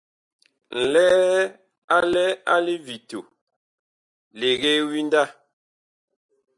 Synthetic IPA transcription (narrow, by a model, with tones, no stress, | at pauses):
n̩˨lɛ˦ | a˦lɛ˦a˦li˦vi˨to˨ | le˨ɣe˦wi˦n˦da˦˨